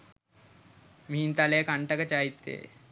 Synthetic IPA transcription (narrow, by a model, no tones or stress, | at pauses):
mint̪alekaɳʈakət͡ɕaɦit̪ːḛ